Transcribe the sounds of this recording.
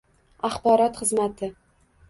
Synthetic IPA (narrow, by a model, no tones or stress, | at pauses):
aχbɒɾɒt̪χɨzmat̪ʰɪ